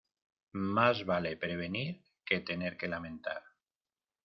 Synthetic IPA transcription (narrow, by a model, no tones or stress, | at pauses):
mazβale̞pɾe̞β̞e̞niɾ | ke̞t̪e̞neɾke̞lamẽ̞nt̪a̰ɾ